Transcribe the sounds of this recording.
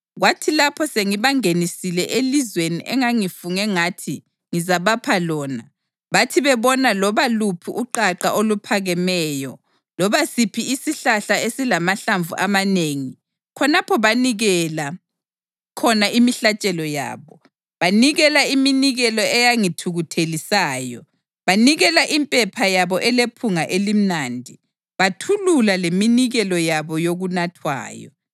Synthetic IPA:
ɣwatʰilapʰɔseŋiβaŋenisilɛʔelizweniʔɛŋaŋifuŋɛŋatʰi | ŋizaβapʰalɔːna | βatʰiβɛβɔnalɔβalupʰiʔuǃaǃaʔolupʰaɣɛmɛːjɔ̰ | lɔβasipʰiisiɬaɬaesilamaɬaɱvṵʔamaneŋi | kʰɔnapʰɔβaniɣɛla | kʰɔnaimiɬat͡ʃʼɛlɔja̰ːβɔ | βaniɣɛlaiminiɣɛlɔɛjaŋitʰuɣutʰelisaːjɔ | βaniɣɛlaʔimpʼɛpʰajaβɔʔɛlepʰuŋaʔelim̩naːndʱi | βatʰululaleminiɣɛlɔjaβɔjoɣunatʰwa̰ːjɔ̰

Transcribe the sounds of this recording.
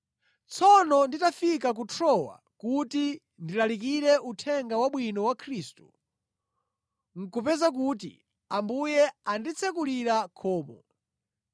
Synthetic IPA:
t͡sʰɔnɔnditafikak̬utʰɾɔwa̰ | kuti | ndilalik̬iɾɛutʰɛŋɡawaɓwinɔwakʰɾistu | ŋ̩kupɛzak̬ut̬ḭ | ambujɛandit͡sʰɛkuliɾakʰɔːmɔ̰

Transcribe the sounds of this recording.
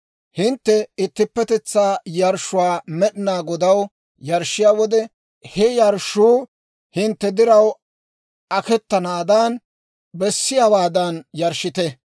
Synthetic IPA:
hɪnt̪ːɛɪt̪ːɪpːɛt̪ɛt͡sːaːjɐɾʃːʊwaːmɛɗɪnaːɡɔd̪ɐw | jɐɾʃːɪjaːwɔd̪ɛ | hɛjɐɾʃuː | hɪnt̪ːɛd̪ɪɾɐw | ʔɐkɛt̪ːɐnaːd̪ɐn | bɛsːɪjawaːd̪ɐnjɐɾʃːɪt̪ɛ

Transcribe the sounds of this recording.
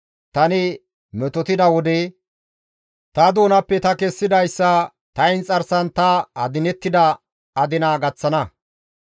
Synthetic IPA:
t̪ɐnɪ | mɛt̪ɔt̪ɪd̪ɐwɔd̪ɛ | t̪ɐd̪o̞ːnɐpːɛt̪ɐkɛsːɪd̪ɐjsːɐ | t̪ɐjɪnt͡sʼɐɾsɐnt̪ɐɐ̰d̪ɪnɛt̪ːɪd̪ɐ | ɐd̪ɪnaːɡɐt͡sːɐnɐ

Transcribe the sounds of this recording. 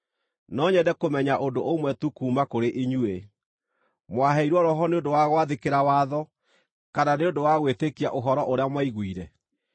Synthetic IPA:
nɔɲɛdɛkomɛɲaʔondoʔomwɛtukuːmakoɾeʔiɲue | mwaɦɛiɾwɔɾɔɦɔneondowaɣwaðekeɾawaːðɔ | kananeondowaɣwetekia̰ʔoɦɔɾɔʔoɾeamwaiɣwiɾɛ

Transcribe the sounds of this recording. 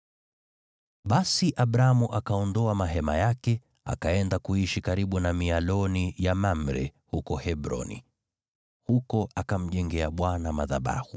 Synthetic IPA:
ɓasiʔaɓɾaamuʔakaɔndɔamaɦɛma̰jakɛ | a̰kaɛndakuiʃikaɾiɓunamialɔnijamam̩ɾɛ̰hukɔhɛɓɾɔ̰nḭ | hukɔʔakam̩ʄɛŋɡɛaɓwanamaða̰ɓa̰hu

